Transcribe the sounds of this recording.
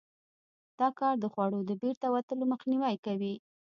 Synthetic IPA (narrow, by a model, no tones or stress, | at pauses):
d̪̥ɑkɑɾd̪əxwɑɽod̪əbeɾt̪awat̪əloməxniwajkawi